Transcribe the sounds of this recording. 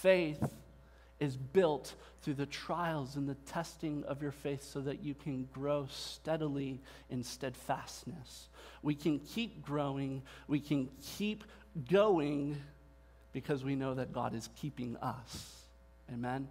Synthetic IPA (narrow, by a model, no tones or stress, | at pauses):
feɪθ | ɨzbɪlˠt̪̚ | θɹʉðɨtʰɹ̥aɪl̩ˠzɨ̃nðɨtʰɛstɪ̃ŋʌ̰vjə˞feɪθsoʊðɨt͡ʃɨkʰɨ̃nɡɹoʊstɛɾl̩ˠi | ɨ̃nstɛd̥fæstnɨswikʰɨ̃nkʰip̚ɡ̥ɹoʊɪ̃ŋwikʰɨ̃nkʰip | ɡ̥oʊɪ̃ŋ | b̥ɨkʰʌzwinoʊðɨt̚ɡ̥ɑ̰ɾɨz̥kʰipɪ̃ŋʌ̰s | eɪmɛ̃n